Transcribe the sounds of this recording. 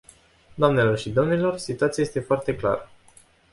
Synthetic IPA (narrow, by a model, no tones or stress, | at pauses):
d̪oamne̞lo̞rʃid̪o̞mnilo̞rsit̪oat̪siajest̪e̞foart̪e̞kla̰ɾə